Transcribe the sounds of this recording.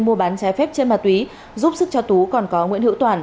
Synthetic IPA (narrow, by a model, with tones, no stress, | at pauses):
mu˧əɓaː˨˦nt͡ɕaː˨˦jfɛ˦˥p̚t͡ɕe˧nmaː˨˩t̪wi˨˦ | zu˦˥p̚sɨ˦˥k̚t͡ɕɔ˧t̪u˨˦kɔ˨˩nkɔ˨˦ŋwḭ˧˥ənhɨ̰˧˥wt̪waː˨˩n